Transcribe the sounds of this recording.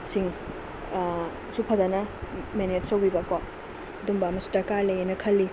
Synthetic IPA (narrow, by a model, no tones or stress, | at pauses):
siŋ | supʰɐzanɐmenet̚sowbibɐkɔp̚ | ɐdumbɐːmɐsu̥dɐkalɐjenɐkʰɐlːi